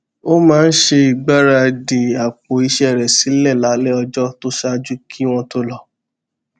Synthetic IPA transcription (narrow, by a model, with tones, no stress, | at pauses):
o˦mãː˨˦˧n̩˦ʃe˧i˨ɡ͡ba˦ɾa˧di˨a˨k͡po˨i˧ʃɛ˦˨ɾɛ˨si˨˦lɛ˦˨la˨˦lɛ˦ɔ˧d͡ʒɔ˦to˦ʃa˦d͡ʒu˦kʰi˦w̃ɔ̃˧to˦lɔ˧